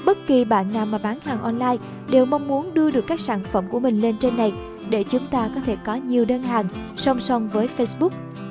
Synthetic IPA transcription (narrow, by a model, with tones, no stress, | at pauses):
ɓə˦˥t̚ki˨˩ɓa̰ː˧˨nːaː˨˩wmːaː˨˩ɓaː˨˦nhaː˨˩ŋʔɔ˧nlaː˧j | ɗe˨˩wma˧wŋ͡mmu˨˦ənɗɨ˧əɗɨ˨˩əkːaː˦˥k̚saː˧˩nfə̰˧˩mku˧˩əmï˨˩ŋ̟le˧nt͡ɕe˧nːa˨˩j | ɗe˧˩t͡ɕʊ˨˦ŋ͡mt̪aː˧kɔ˨˦t̪ʰe˧˩kɔ˨˦ɲi˨˩əwɗə˧nɦaː˨˩ŋsə˧wŋ͡msɔ˧wŋ͡mvəː˨˦jfe˧sɓʊ˦˥k̚